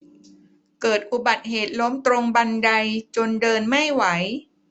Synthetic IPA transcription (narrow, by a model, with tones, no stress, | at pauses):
kɤː˨˩t̪̚ʔu˨˩ba˨˩t̪̚heː˨˩t̪̚lo˦˥mt̪ɾo˧ŋba˧nda˧jt͡ɕo˧ndɤː˧nma˥˩jwa˩˦j